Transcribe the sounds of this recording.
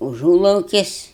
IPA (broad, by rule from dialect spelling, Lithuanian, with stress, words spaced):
ʊʒuːlˠɐʊkʲɪsʲ